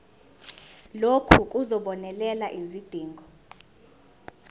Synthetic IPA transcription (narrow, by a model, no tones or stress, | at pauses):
lokʰuk̬ʼuzɔɓɔnɛlɛlaʔizid̥ʱiːŋɡʱɔ